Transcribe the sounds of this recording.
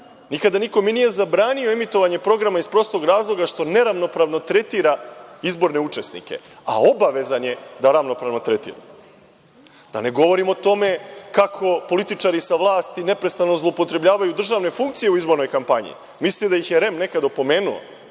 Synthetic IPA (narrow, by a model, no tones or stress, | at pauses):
nikad̪aniko̞minije̞zabɾaːnioemit̪o̞ʋaɲe̞pɾo̞ɡɾamaispɾo̞st̪ˠo̞ɡɾaːzlˠo̞ɡaʃt̪o̞ne̞ɾaʋno̞pɾaʋno̞t̪ɾe̞t̪iːɾaizbo̞ɾne̞ut͡ʂe̞snḭke̞̰ | a̰o̞baʋe̞zanje̞d̪aɾaʋno̞pɾaʋno̞t̪ɾet̪ḭːɾa̰ | d̪̥a̰ne̞ɡo̞ʋo̞ɾimo̞t̪o̞me̞kakʰo̞po̞lit̪it͡ʂaːɾisaʋlˠaːst̪ine̞pɾe̞st̪anozlˠoupo̞t̪ɾe̞blʎaːʋajud̪r̩ʒaːʋne̞fuŋk̚t̪sijeuizbo̞ɾnojkampaɲḭ | mislid̪ajixjeɾe̞mne̞kad̪aopo̞me̞ːnuo̰